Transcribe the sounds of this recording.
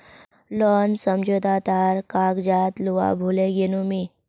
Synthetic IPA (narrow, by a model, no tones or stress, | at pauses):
lɔnsəmd͡ʑod̪ʱat̪aɾkakd͡ʑat̪luʋa̰bʱuleɡenumi